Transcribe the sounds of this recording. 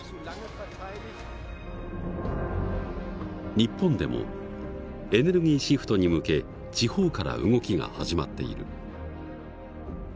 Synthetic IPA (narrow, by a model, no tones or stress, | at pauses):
ɲ̟ipːõ̞nd̪e̞̰mo̞̰ | e̞ne̞ɾɯ̟ɡʲiːɕiɸɯ̟̥t̪o̞ɲ̟imɯ̟ke̞ | t͡ɕiho̞ːkaɾa̰ɯ̟̰ŋo̞kʲiɡa̰haʑimat̪ːe̞̰ḭɾɯ̟̰